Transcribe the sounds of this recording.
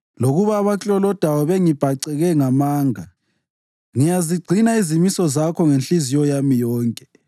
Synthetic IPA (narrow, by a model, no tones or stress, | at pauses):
loɣuβaːβat͡ɬʼɔlɔd̥ʱawɔβeŋib̥ʱaǀɛɣɛŋamaːŋa | ŋijaziɡ͡ǀʱinaizimisɔzakʰɔŋenɬizijɔjamijɔːŋkʼɛ̥